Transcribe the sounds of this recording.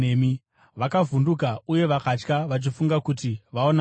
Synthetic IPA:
emi | ʋakavundukauje̞ʋakat͡ʃkaʋat͡ʃifuŋɡakutiʋaona

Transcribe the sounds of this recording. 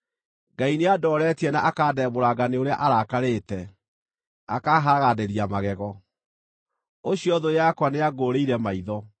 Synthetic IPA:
ɡaineadɔːɾɛtiɛnaʔakaːdɛmoɾaɡaneoɾea̰ʔaɾakaɾeːtɛ | akaːɦaɾaɣadeɾiamaɣɛɣɔ | oɕiɔðojakwaneaɡoːɾeiɾɛmaiðɔ

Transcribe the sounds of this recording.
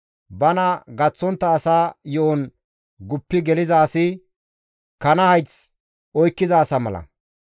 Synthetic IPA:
bɐnɐɡɐt͡sːɔnt̪ːɐːsaːjɔʔɔn | ɡʊpːɪɡɛlɪzaːsɪ | kɐnɐhɐjt͡s | ɔjkːɪzaːsɐmɐlɐ̰

